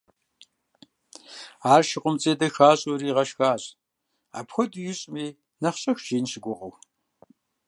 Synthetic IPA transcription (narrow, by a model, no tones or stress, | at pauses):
aːrʃɪqʷʼʊmt͡sʼeːdɐxaːɕʼoɾiːʁɐʃxaːɕʼ | a̰ːpxʷɔdujɪɕʼmiː | nɐχɕʼɐxʒ̥eːnɕɪɡʷʊqow